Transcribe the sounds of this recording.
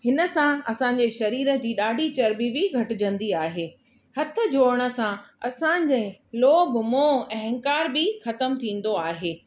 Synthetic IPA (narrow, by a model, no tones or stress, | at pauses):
hɪnə̆sãɐsãːɲ̆d͡ʑeʃɐɾiːɾə̆d͡ʑiːɗaːɖʱit͡ɕɐɾbibɪɡʱɐʈɪ̆d͡ʑɐ̃nd̪iaːɦeː | hɐt̪ʰə̆d͡ʑoːɾəɽ̃ə̆sãɐsãːɲd͡ʑẽloːbmõɐɦə̃ŋkaːɾbɪxɐt̪əmt̪ʰĩːn̆d̪oaːɦeː